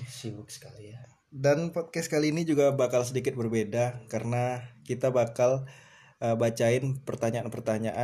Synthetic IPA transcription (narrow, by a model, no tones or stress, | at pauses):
sibʊksə̥kalia | danpɔt̪̚kɛskaliːnid͡ʒuɡabakalsədikɪt̪̚bərbedakaɾənakit̪abakal | əbat͡ʃaɪnpərt̪aɲaanpərt̪aɲaʔa